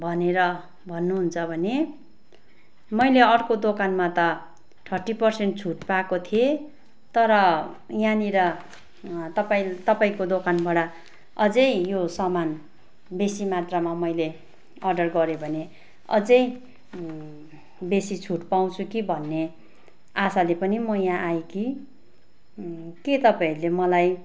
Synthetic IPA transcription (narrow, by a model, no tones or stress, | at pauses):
bʱʌneɾʌ | bʱʌnːuɦunt͡sʰʌbʱʌne | mʌjleʌɽkod̪okanmat̪ʌ | ʈʰʌrʈipʌrseɳʈ̚t͡sʰuʈpakot̪ʰie | t̪ʌɾʌ | janiɾʌ | t̪ʌpaĩt̪ʌpaĩkod̪okanbaɽa | ʌd͡zʌjjosʌman | besimat̪ramamʌjle | ʌrɖʌrɡʌɾebʱʌne | ʌ̰d͡zʌj | besit͡sʰuʈpaw̃t͡sʰukibʱʌnːe | asalepʌnimʌjãʔajeki | ket̪ʌpaĩlemʌlaj